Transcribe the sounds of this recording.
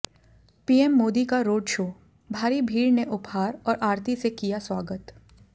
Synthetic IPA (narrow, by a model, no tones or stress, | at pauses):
piːɛmːoːd̪ikaɾoːɖʃoː | bʱaːɾibʱiːɾneʔʊphaːɾɔːɾʔaːɾt̪isekijaswaːɡət̪